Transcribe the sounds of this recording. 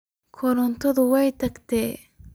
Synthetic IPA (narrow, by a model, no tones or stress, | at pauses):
kʰɔɾɔnt̪ʰɔðʊwɛjt̪ʰɐɡt̪ʰɛː